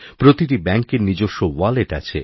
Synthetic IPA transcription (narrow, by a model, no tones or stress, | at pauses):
pɾot̪iʈibɛŋkeɾnid͡ʑoʃːowaleʈa̰t͡ɕʰe